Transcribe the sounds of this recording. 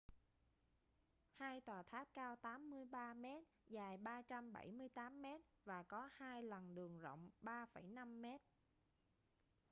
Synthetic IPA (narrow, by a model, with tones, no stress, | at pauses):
haː˧jt̪waː˨˩t̪ʰaː˦˥p̚kaː˧wt̪aː˨˦mːɨ˧əjɓaː˧mɛ˦˥t̚zaː˨˩jɓaː˧t͡ɕa˧mɓa̰˧˩jmɨ˧əjt̪aː˨˦mːɛ˦˥t̚vaː˨˩kɔ˨˦haː˧jlə˨˩nɗɨ˨˩əŋzə̰˧˨wŋ͡mɓaː˧fə˧˩jna˧mːɛ˦˥t̚